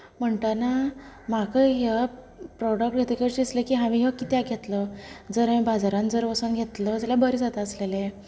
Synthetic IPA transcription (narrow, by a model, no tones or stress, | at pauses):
m̤əɳʈana | makəɦa | pɾɔɽək̚ʈɡʱet̪ikəsd̪islekiːɦaʋĩɦəkit̪jaɡʱet̪ləd͡zəɾamĩbad͡zaɾãnd͡zəɾʋəsənɡʱet̪ləd͡zalabəɾid͡zat̪aəslele